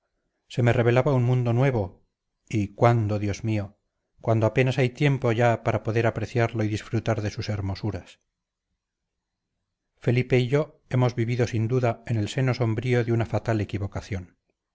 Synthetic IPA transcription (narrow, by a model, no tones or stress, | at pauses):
se̞me̞re̞β̞e̞laβaunmũnd̪onwe̞β̞o̞ | ikwand̪o̞ðjo̞zmio | kwand̪oape̞nasajt̪je̞mpo̞ʝapaɾapo̞ðe̞ɾapɾe̞θjaɾloiðisfɾut̪aɾðe̞suse̞ɾmo̞suɾas | fe̞lipe̞iʝo̞ | e̞mo̞zβiβiðo̞sind̪uðae̞ne̞lse̞no̞so̞mbɾio̞ðeunafat̪ale̞kiβo̞kaθjo̞n